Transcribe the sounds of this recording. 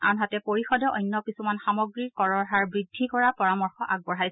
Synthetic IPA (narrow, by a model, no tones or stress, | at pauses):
a̰nɦatɛpoɹixɔdɔʔɔjnːɔkisumanxamɔɡɹikɔɹɔɹɦaɹbɹidʱːikɔɹapɔɹamɔɹxɔʔaɡ̚bɔɹɦajs